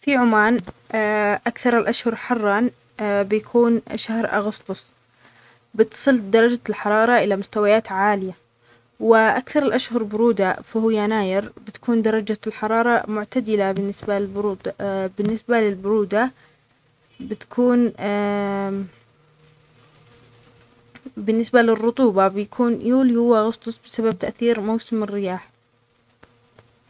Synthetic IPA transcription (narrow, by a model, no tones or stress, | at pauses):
fiʕʊmaːn | ʔakθɑɾˤɪlʔaʃhʊɾˤħɑrˤːɑn | bjakʰuːnʃahɾʔa̰ɣʊst̪ʊsˤ | bɪt̪sˤɨld̪ɑɾˤɑd͡ʒalħɑɾˤɑːɾˤɑʔɪlamʊst̪awajaːt̪ʕaːlɪja | wɪʔakθɑɾˤɪlʔaʃhʊɾˤbʊɾuːd̪afahʊjːanaːjɪɾbɪt̪ḁkuːnd̪ɑɾˤɑd͡ʒalħɑɾˤɑːɾˤɑmʊʕt̪ad̪ɪlabɪnːɪsbabɾuːd̪bɪnːɪsbalɪlbʊɾuːd̪a | bɪt̪ḁkʰuːn | bɪnːɪsbalɪrːʊt̪ˤuːbɑbɪjakʰuːnjuːljʊwaɣʊsˤt̪ˤʊsˤbɪsabab̚t̪aʔθiːɾmawsɪmɪrːɪjaːħ